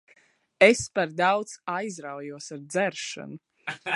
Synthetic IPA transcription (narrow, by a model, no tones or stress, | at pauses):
espaɾd̪awt̪sajzɾawjuɔsaɾd̪zɛɾʃa̰nu